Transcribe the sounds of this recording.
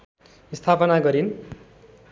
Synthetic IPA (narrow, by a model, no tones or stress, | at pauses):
ist̪ʰapʌnaɡʌɾin